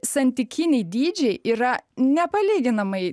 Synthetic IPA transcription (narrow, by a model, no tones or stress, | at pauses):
sɐnʲt̪ʲɪkʲɪnʲɛɪd̪ʲiːd͡ʒʲɛɪʔiːɾɐnʲɛpɐlʲiːɡʲɪnɐmɐɪ